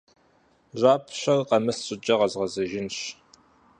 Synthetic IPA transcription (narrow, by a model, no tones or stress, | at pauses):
ʑʷaːpʰɕʷɐrqɐmɨsɕʼɨd͡ʒʼɐʁɐzʁɐzɐʒɪnɕ